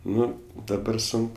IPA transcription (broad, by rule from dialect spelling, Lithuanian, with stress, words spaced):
ˈnʊ dɐˈbɐr ˈsʊŋk